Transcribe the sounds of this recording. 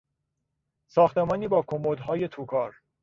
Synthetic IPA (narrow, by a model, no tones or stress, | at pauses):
sɒːxt̪emɒːniːbɒːkʰomod̪ɦɒːje̞t̪ʰuːkʰɒːɾ